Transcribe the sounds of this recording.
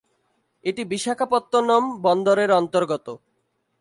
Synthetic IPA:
eʈibiʃakʰapɔt̪ːonɔmbɔnd̪oɾeɾɔnt̪oɾɡɔt̪o

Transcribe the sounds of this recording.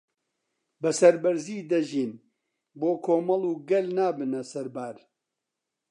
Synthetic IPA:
bɐsɐɾbɐɾziːd̪ɐʒiːn | boːkʰoːmɐlˠuːɡɐlnaːbɨnɐsɐɾbaːɾ

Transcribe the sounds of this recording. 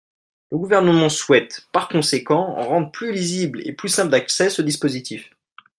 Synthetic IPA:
ləɡuvɛʁnəmɑ̃swɛt̪paʁkɔ̃sekɑ̃ʁɑ̃d̪ʁəplyliziblḛplysɛ̃pld̪aksɛsəd̪ispozit̪if

